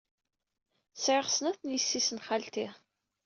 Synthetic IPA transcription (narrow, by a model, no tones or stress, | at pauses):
θsʕɪʁsnæθnjəsːisənχalt̪i